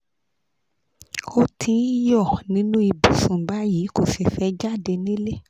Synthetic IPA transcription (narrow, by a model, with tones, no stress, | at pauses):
o˧tʰĩ˧˦jɔ˦˨nĩ˨˦nũ˦i˧˨bi˨˦sũ˨ba˦jiː˨˦ko˦˨fi˧fɛ˦d͡ʒa˦˨de˧nĩ˦le˦